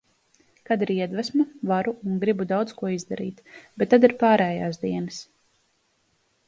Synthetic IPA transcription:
kad̪iɾiɛd̪vasmuvaɾuuŋɡɾibud̪awd̪skuɔizd̪aɾḭːt̪bɛt̪ːad̪iɾpaːɾɛːjaːsd̪iɛnɨs

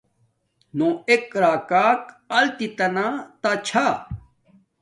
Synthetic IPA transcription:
nõːekɾaːkaːk | ɐlt̪it̪ɐnãːt̪at͡ɕʰa

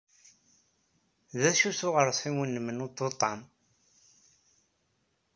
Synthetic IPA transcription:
ðæʃusʊʁəɾˤsˤiwənːəmənut̪ˤːot̪ˤːɑn

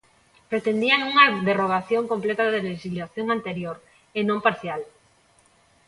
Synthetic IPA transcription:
pɾet̪end̪iaŋuŋaðeroɣ̞aθjoŋkomplet̪aðeleʃizlaθjoŋant̪eɾjoɾ | enõmpaɾθjal

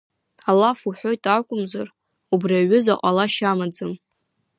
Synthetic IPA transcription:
alːafuħʷᶣo̞jtʼakʷʼʊmzar | ubriaɥʏzaqʼalaʃamad͡zɨm

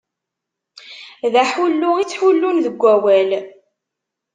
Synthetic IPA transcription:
ðæħulːʊit͡sːħulːunðəɡʷːæwæl

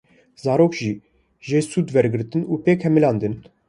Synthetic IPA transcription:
zɑːɾoːkʒiː | ʒeːsuːd̪wɛɾɡɨɾt̪ɨnuːpeːkhɛmilɑːnd̪ɨn

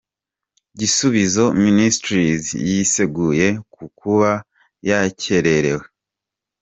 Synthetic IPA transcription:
ɟisuβizo̞ministɾizjise̞ɡuje̞kukʰuβa | jace̞ɾe̞ɾe̞we

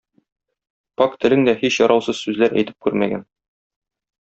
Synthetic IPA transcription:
pɑkt̪ɘ̆lɘŋd̪æhiɕjɒɾɑwsɤz̥sʉzlæɾæ̰jt̪ɘ̥p̚kʉɾmæɡæn

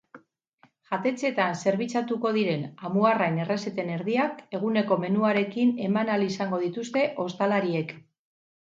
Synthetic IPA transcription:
ʝat̪e̞t͡se̞t̪anse̞ɾβit͡sat̪uko̞ð̞iɾe̞namuaraene̞re̞se̞t̪e̞ne̞ɾðiake̞ɣ̞une̞ko̞me̞nuaɾe̞kine̞manalisaŋɡo̞ð̞it̪ust̪e̞ʔo̞st̪alaɾie̞k

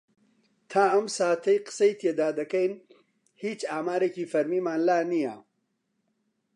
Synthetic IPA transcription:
t̪ʰaːɐmsaːt̪ʰɐjqɨ̥ə̥sɐjit̪ʰeːd̪aːd̪ɐkɐjn | hiːt͡ʃaːmaːɾeːciːfɐɾmiːmaːnlaːnija̰

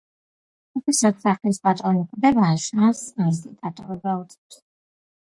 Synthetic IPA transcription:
uχisat̪saχlispʼat̪ʼɔnikʰʼd̪ɛbaʃãnsasit̪ʼat̪ʼɔɾibaut̪sʼɛt̪ʰ

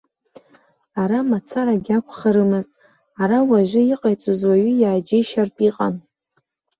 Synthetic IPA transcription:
aɾamat͡sʰaɾaɡʲakʷʰχaɾɨmɨztʼ | aɾawaʒᶣʷʊiqʼajt͡sʼozwaɥʏjaːd͡ʒɪʃartʼiqʼa̰n

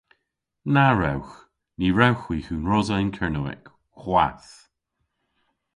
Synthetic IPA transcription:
naɹa̰wx | niːɹawxwiːxuːnɹɔzaɪnkʰɛɹnuwɛ̰k | xwas

